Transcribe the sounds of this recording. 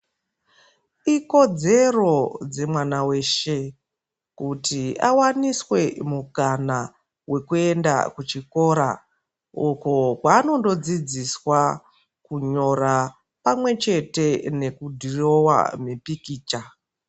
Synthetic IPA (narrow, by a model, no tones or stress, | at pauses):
iko̞d͡ze̞ro̞d͡ze̞mwanawe̞ːʃe̞ | kutia̰waniswe̞mukana | we̞kue̞nda̰kut͡ʃiko̞ːɾa̰ | okokwaːno̞ndo̞d͡zid͡ziswa | kuɲo̞ra | pamwe̞t͡ʃe̞te̞ne̞kudʱiro̞wa̰mepikiːt͡ʃa